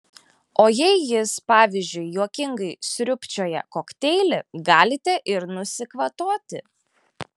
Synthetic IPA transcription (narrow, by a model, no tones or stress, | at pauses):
oːjɛɪjɪspɑːʋʲɪzʲd͡ʒʲʊɪjuɔkʲɪŋɡɐɪsʲɾʲʊpʲt͡ʃʲoːjɛ̰koːkt̪ʲɛɪlʲɪɡɑːlʲɪt̪ʲɛʔɪɾnʊsʲɪkʋɐt̪oːt̪ʲɪ